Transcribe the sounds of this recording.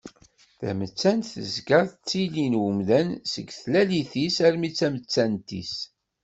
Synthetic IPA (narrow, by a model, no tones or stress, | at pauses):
θæ̰mət͡sːænθə̰zɡɑɾˤθt͡sːilinwəmðænsəɡθlæliθisæɾmit͡sːæmət͡sːænt̪ḭs